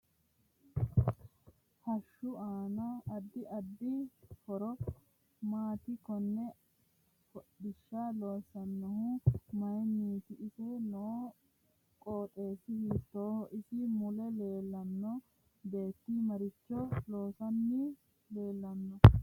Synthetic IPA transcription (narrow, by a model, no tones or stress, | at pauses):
hɐʃːʊaːnɐɐd̪ːɪʔɐd̪ːɪfɔɾɔ | maːt̪ɪkɔnːɛ | fɔɗɪʃːalo̞ːsɐnːɔhʊmɐjniːt̪ɪːsɪnoː | kʼoːt̪ʼe̞ːsɪhɪt̪ːoːhʔɪsɪmʊlɛle̞ːlːɐnːɔ | be̞ːt̪ːimɐɾɪt͡ʃːɔlo̞ːsɐnːɪ | le̞ːlːɐnːɔ